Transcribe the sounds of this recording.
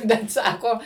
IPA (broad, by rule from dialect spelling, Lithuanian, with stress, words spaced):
bʲɛt ˈsɑːkoː